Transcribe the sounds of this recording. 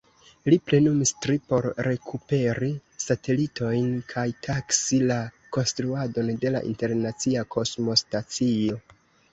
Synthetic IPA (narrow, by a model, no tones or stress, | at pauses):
liple̞numistɾipo̞ɾɾe̞kʰupe̞ɾisate̞litʰo̞jnkʰajtʰaksila | ko̞nstɾuado̞nde̞la̰ʔḭnte̞ɾnat͡siakʰo̞smo̞stat͡sio̞